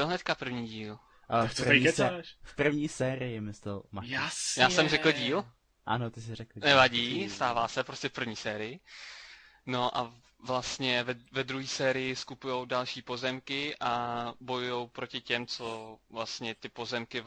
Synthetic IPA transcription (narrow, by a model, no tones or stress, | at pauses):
oɦnɛt̪kapr̩vɲiːɟiːl | ʔafeiɛfpr̩vɲiːsɛːɾɪjɪmɪst̪ɛlmajasjaːsɛmrɛkl̩ɟiːl | ʔanot̪ɪsɪɾɛklnɛvaɟiːst̪aːvaːsɛpɾo̞scɛfpr̩vɲiːsɛːɾɪjɪ | no̞ʔa | vlast̪ɲɛvɛvɛd̪ɾuɦiːsɛːɾɪjɪskupujo̞wdalʃiːpo̞zɛmkɪʔabo̞jujo̞wpɾo̞cɪcɛmt͡so̞vlast̪ɲɛt̪ɪpo̞zɛmkɪ